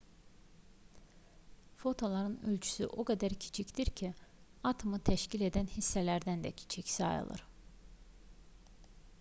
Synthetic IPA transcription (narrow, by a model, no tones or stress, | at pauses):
fo̞t̪ʰo̞lˠɑɾɯnø̞lʲt͡ʃʰy̥sy̰ʔoɡɑd̪æɾcʰi̥t͡ʃʰicd̪iɾcʰiɑt̪ʰomɯt̪ʰæʃcile̞d̪ænhisːælæɾd̪ænd̪ɛ̰cʰi̥t͡ʃʰicsɑ̰jɯ̰lˠɯ̰ɾ̥